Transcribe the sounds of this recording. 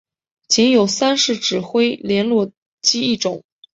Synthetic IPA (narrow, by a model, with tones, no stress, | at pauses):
t͡ɕʰi˧˥ŋjo˨˩ʊsa˥nʂɻ̩˥˩ʈ͡ʂɻ̩˨˩xwe˥ɪljɛ˧˥nlwɔ˥˩ | t͡ɕi˥i˥˩ʈ͡ʂʊ˨˩˦ŋ